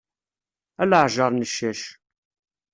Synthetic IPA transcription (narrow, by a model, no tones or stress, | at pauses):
æləʕʒəɾˤnəʃːæʃ